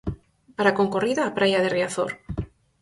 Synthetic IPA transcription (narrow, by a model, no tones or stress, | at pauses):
paɾakoŋkoriðaːpɾajað̞eriaθo̰ɾ